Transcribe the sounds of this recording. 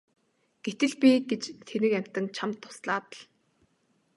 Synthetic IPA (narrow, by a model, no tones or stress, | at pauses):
ɡ̥et̪ɘ̆ɮpʲiɡet͡ɕt̪ʰenɘ̆kæm̥ʲt̪ɘ̆ŋt͡ɕʰamt̪ʰːʊ̥sɮaːt̪ə̆ɮ